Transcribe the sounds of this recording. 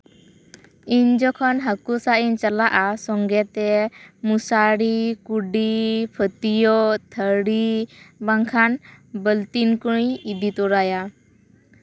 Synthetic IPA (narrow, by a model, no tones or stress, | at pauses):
iɲd͡ʒɔkʰɔnɦakusaʔiɲt͡ʃalaʔasɔŋɡɛt̪ɛmusaɽikuɖipʰət̪ijɔt̪ʰəɽibaŋkʰanbəlt̪inkuɽ̃ĩid̪it̪ɔɾaja